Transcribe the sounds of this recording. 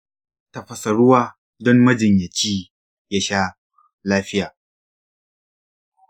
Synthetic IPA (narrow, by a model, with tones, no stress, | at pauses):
tɐ˨ɸɐ˨sɐ˨ɽʊ˦waː˦ | dɔ˦mmɐ˦d͡ʒɪ˨ɲjɐ˨t͡ʃiː˦ | ja˦ʃaː˦ | laː˦ɸɪ˦jaː˨